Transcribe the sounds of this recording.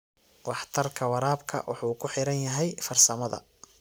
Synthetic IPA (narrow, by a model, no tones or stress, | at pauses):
wɑħt̪ʰɐrkʰɐwɑɾaːbkʰɐ̰wʔɑ̰ħuːkʰʊħɪɾɐnjɐɦɛjfɐrsɐmɐðɐ̰